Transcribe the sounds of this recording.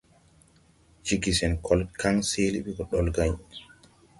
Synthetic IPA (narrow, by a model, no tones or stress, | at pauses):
d͡ʒiɡisɛnkʰɔlkʰaŋseːliɓikɔɗɔlɡaɲ